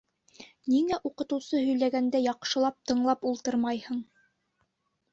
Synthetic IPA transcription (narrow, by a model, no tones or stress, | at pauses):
niŋæʔuqɤ̆t̪ɤ̆wsɤɦɵ̆jlæɡænd̪æjɑqʃɤ̆lˠɑp̚t̪ɤ̆ɴlˠɑpulˠt̪ɤɾmɑjhɤɴ